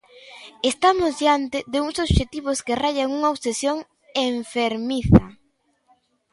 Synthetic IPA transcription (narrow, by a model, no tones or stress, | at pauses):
est̪amʊzd̪jant̪ɪðɪuŋsoβʃet̪iβʊskeraʎaŋuŋaoβsesjoŋ | eɱfeɾmiθɐ